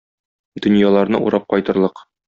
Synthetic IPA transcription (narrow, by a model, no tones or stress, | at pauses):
d̪̥ɵ̆njɑlˠɑɾnɤʔṵɾɑp̚qɒjt̪ɤ̆ɾlˠɤq